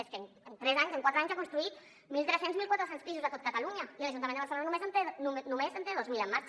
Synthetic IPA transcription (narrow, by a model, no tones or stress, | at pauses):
esken | ent̪ɾezaɲseŋkwat̪ɾaɲszakunst̪ɾuit̪ | milt̪ɾesenzmilkwat̪ɾosenspisuzðət̪ot̪̚kat̪aluɲaiəlaʒunt̪amend̪βaɾselonanũmezent̪enunumezent̪eðozmiləmːaɾt͡ʃ